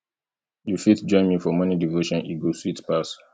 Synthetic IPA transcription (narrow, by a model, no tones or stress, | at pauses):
jufitd͡ʒɔ̃ɪ̃nmifɔmʌnidivoʃɔ̃nʔiɡoswitpas